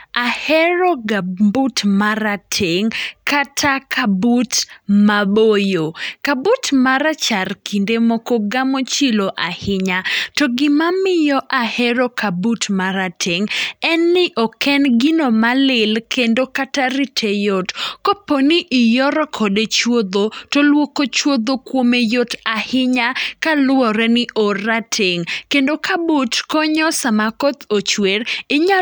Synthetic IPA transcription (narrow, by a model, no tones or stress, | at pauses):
ahɛɾɔɡabutmaɾatʰeŋkatʰakʰabutmabojokabutmaɾat͡ʃarkʰindemɔkɔɡamot͡ʃiloʔahɪɲatɔɡɪmamɪjɔʔahɛɾokabutmaɾatʰeŋɛnːɪʔɔkɛnɡɪnomalɪlkʰendokataɾitʰejotkoponiʔɪjɔɾɔkʰɔdet͡ʃwod̪otolwokot͡ʃwod̪okwomejotahɪɲakalʊwɔɾɛnɪʔoɾatʰeŋkendokabutkɔɲɔsamakɔt̪ot͡ʃweɾɪɲa